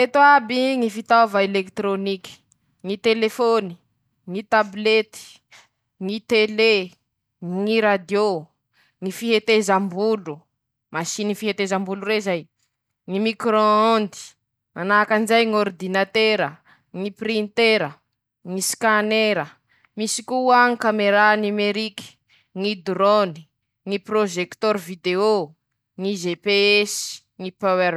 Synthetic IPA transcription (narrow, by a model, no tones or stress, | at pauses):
et̪oabiŋifit̪avaelekt̪ɾonikʲi̥ | ŋit̪elefoni | ŋit̪ablet̪i̥ | ŋit̪ele | ŋiɾad̪jo | ŋifiɦet̪ezambulu | masiniifiɦet̪ezambuluɾezaj | ŋimikɾoond̪i̥ | manaːkand͡ʒajŋord̪inat̪eɾə | ŋiprint̪eɾə | ŋiskaneɾə | misikuaŋikameɾanimeɾiki̥ | ŋid̪ɾoni | ŋiproʒekt̪ɔɾvid̪eo | ŋizepeesi̥ | ŋipawɛ